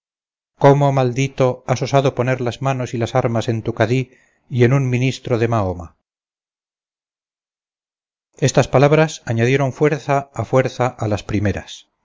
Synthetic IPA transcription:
ko̞momald̪it̪o̞aso̞saðopone̞ɾlazmano̞silasaɾmase̞nt̪ukaði | je̞nunminist̪ɾoðe̞maoma̰ | est̪aspalaβɾasaɲaðje̞ɾo̞ɱfwe̞ɾθaːfwe̞ɾθaʔalaspɾime̞ɾa̰s

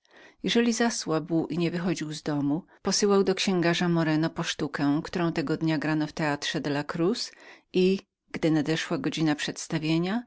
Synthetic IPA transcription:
jɛʐɛlʲizaswabwiɲɛvɘxɔd͡ʑiwzd̪ɔmu | pɔsɘwawd̪ɔkɕɛ̃ŋɡaʐamɔɾɛnɔpɔʂt̪ukɛ̃kt̪uɾɔ̃w̃t̪ɛɡɔd̪ɲaɡɾanɔft̪ɛat̪ʂɛd̪lakɾusʔi | ɡd̪ɘnad̪ɛʂwaɡɔd͡ʑinapʂɛt̪st̪avʲjeɲa

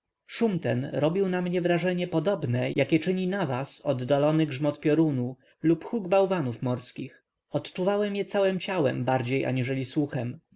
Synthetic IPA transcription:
ʂumt̪ɛnɾɔbʲiwnamɲɛvɾaʐɛɲɛpɔd̪ɔbnɛjakʲɛt͡ʂɘɲinavasɔd̪ːalɔnɘɡʐmɔt̪pʲjɔɾunu | lupxuɡbawvanufmɔɾskʲix | ɔt̪t͡ʂuvawɛmjɛt̪sawɛmt͡ɕawɛ̰mbaɾd͡ʑejʔa̰ɲiʐɛlʲiswuxɛm

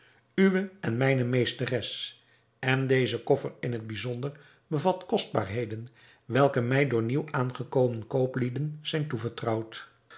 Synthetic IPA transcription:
yʋəɛnmɛjnəmejstərɛs | ɛndejzəkɔfərɪnɦəd̚bizɔndəɹ | bəvɑtkɔsd̚ba̰ːɹɦejdən | ʋɛlˠkəmɛjdʊːɹniwaːnχəkowmənkowplidənz̥ɛjntuvəɹtrɑwt

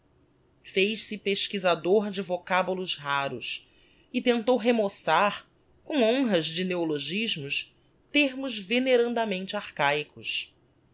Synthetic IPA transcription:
fejʃsɪpeʃkizad̪oɾd͡ʒɪvokabulʊzɦaɾʊ̰s | ɪt̪ẽnt̪owɦemosaɾ | kõw̃õɦɐzd͡ʒɪneoloʒiʒmʊs | t̪eɾmʊzveneɾɐ̃nd̪ɐmẽnt͡ʃɪaɾkajkʊs

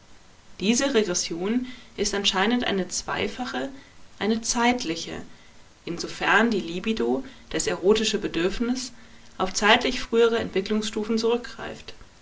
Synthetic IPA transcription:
d̥iːzəʁeɡʁɛsjoːnʔɪstʔanʃaɪnəntʔa̰ɪnət͡sv̥a̰ɪfaχəʔaɪnət͡saɪtʰlɪçə̰ | ʔɪnzofɛɐndiːliːbidod̥aseʁ̞oːtɪʃəbədʏɐfnɪsʔaʊft͡saɪtlɪçfʁ̥yːəʁ̞əɛ̰ntv̥ɪklʊŋsʃtuːfn̩t͡suʁʏk̚ɡ̥ʁa̰ɪft

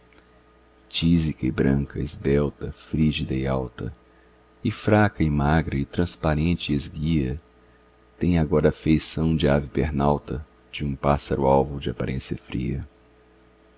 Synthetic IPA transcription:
t͡ʃizikɐɪbɾɐ̃ŋkɐɪzbɛwt̪ɐfɾiʒid̪ɐɪawt̪ɐ̰ | ɪfɾakɐɪmaɡɾɐɪt̪ɾɐ̃spaɾẽnt͡ʃɪezɡiɐ | t̪ẽj̃aɡɔɾɐːfejsɐ̃w̃d͡ʒɪavipeɾnawt̪ɐ | d͡ʒɪũpasɐɾʊawvʊd͡ʒɪapaɾʔẽsjɐfɾḭɐ

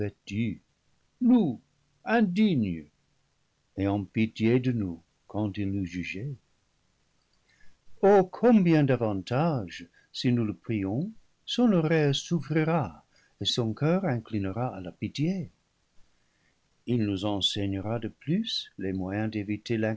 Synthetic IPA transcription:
vɛtdy | nu | ɛ̃diɲ | eɑ̃pitjedənu | kɑ̃tilnuʒyʒe | okʰɔ̃bjɛ̃d̪avɑ̃taʒ | sinuləpχiɔ̃ | sɔ̃nɔʁɛsufʁiʁa | esɔ̃kœʁɛ̃klinəʁaalapitje | ilnuzɑ̃sɛɲəʁadəplyslemwajɛ̃d̪evitelɛ̃

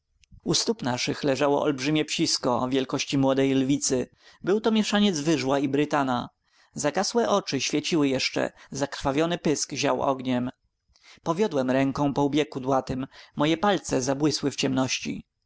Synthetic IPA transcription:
ust̪upnaʂɘxlɛʐawɔ̰ʔɔ̰lbʐɘmʲjɛpɕiskɔvʲjɛlkɔɕt͡ɕimwɔd̪ɛjlvʲit̪sɘ | bɘwt̪ɔmʲjɛʂaɲɛd̪zvɘʐwaibɾɘt̪ana | zaɡaswɛʔɔt͡ʂɘɕfʲjet͡ɕiwɘjɛʂt͡ʂɛ̰zakɾ̥favʲjɔnɘpɘskʑa̰wʔɔ̰ɡɲɛm | pɔvʲjɔd̪wɛmɾɛŋkɔ̃w̃pɔubʲjɛkud̪wat̪ɘmːɔjɛpalt̪sɛzabwɘswɘft͡ɕɛmnɔɕt͡ɕḭ

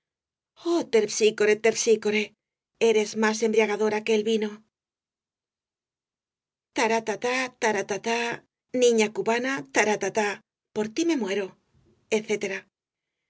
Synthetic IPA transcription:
ot̪e̞ɾsikoɾe̞t̪e̞ɾsiko̞ɾe̞ | e̞ɾe̞zmase̞mbɾjaɣaðo̞ɾake̞ːlβino̞ | t̪aɾat̪at̪at̪aɾat̪at̪a | nĩɲakuβanat̪aɾat̪at̪a | po̞ɾt̪ime̞mwe̞ɾo̞ | eθe̞t̪e̞ɾa

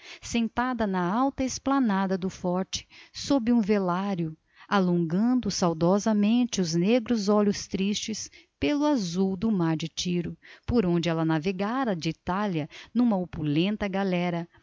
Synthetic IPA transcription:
sẽnt̪ad̪ɐnɐawt̪ɐɪsplanad̪ɐd̪ʊfɔɾt͡ʃɪ̥sobɪũvelaɾjʊ | alõŋɡɐ̃d̪ʊsawd̪ɔzɐmẽnt͡ʃɪʊzneɡɾʊzɔʎʊst̪ɾist͡ʃɪs | pelʊazuwd̪ʊmaɾd͡ʒɪt͡ʃiɾʊpoɾõnd͡ʒɪɛlɐnaveɡaɾɐd͡ʒɪit̪aljɐnũmɐopulẽnt̪ɐɡalɛɾɐ

